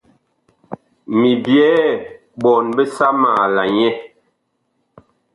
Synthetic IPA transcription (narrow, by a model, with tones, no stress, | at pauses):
mi˨bjɛː˦ | ɓɔ˨nbe˦sa˦maː˨la˨ɲɛ˦